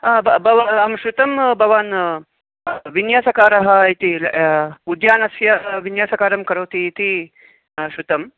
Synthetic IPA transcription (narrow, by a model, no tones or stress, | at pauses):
bbɐʋaɐmʃut̪ɐmbʱɐʋaːn | ʋinjaːsɐkaːɾɐɦɐit̪i | ud̪jaːnɐsjɐʋinjaːsɐkaːɾɐmkɐɾoːt̪iːt̪i | ʃut̪ɐm